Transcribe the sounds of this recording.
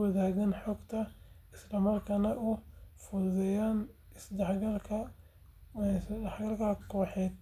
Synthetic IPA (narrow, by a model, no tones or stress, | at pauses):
wɐðaːɣɐnħɔɡt̪ʰɐ | ɪslɐmɐrkʰɐnɐʔʊfʊðɛjaːn | ɪsd̪ɐħɡɐlkʰɐ | d̪ɐħɡɐlkʰɐkʰɔːħɛːd̪̚